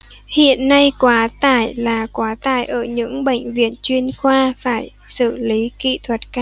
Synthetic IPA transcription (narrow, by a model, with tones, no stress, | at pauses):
hḭ˧˨ənːa˧jkwaː˨˦t̪aː˧˩jlaː˨˩kwaː˨˦t̪a̰ː˧˩jʔəː˧˩ɲɨ̰˧˥ŋɓḛ˧˨jŋ̟vḭ˧˨ənt͡ɕwi˧ənxwaː˧faː˧˩jsɨ˧˩li˨˦kḭ˧˨t̪ʰwə˨˩t̚kaː˧